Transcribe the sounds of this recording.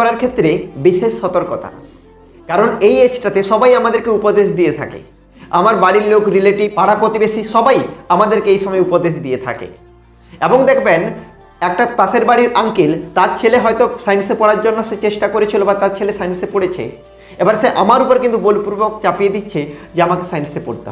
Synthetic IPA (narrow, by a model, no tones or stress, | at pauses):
ɔɾaɾkʰet̪ːɾebiʃeʃːɔt̪oɾkot̪ʰa̰ | kaɾonejesʈat̪eʃɔbajamad̪eɾkeupod̪eʃd̪ijet̪ʰa̰kḛ | a̰maɾbaɽiɾlokɾileʈipaɽapɾot̪ibeʃiʃɔbajamad̪eɾkeejʃɔmɔeupod̪eʃ̬d̪iet̪ʰa̰kḛ | eboŋd̪ɛkʰben | ɛk̚ʈap̪aseɾbaɽiɾaŋkilt̪at͡ɕʰeleɦɔjt̪osajnsepɔɽaɾd͡ʑonːoʃet͡ɕeʃʈakoɾet͡ɕʰilobat̪aɾt͡ɕʰelesajnsepoɽet͡ɕʰḛ | ebaɾseʔamaɾupoɾkint̪ubolpuɾbokt͡ɕapied̪itːɕʰed͡ʑeamakesajnsepo̰ɾt̪ḛɔ